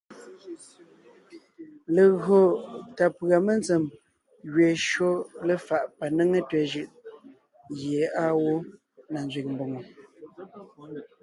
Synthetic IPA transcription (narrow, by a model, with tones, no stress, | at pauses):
lə˨ɣo˨ta˨pɰa˨me˦nt͡se˨m | ɣɥe˨ʃo˦lə˦fa˨ʔpa˨nə˦ŋe˦tɛ˨ʒɯ˨ʔ | ɣje˨a˦wo˦ | na˨nzɥi˨k̚m̩˨bo˨ŋo˨